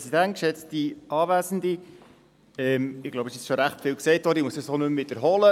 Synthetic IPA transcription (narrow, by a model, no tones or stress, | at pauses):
sidæntkʃɛt͡stiʔɑːvæːzən̩di | ɛmɪɡlowbəsiɛsʃoɾæχtfɪlksɛɪtɔɾimusəsonɵmvɪdəɾɦɔlə